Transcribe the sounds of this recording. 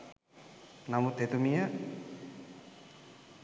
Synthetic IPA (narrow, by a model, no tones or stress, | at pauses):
namut̪et̪umija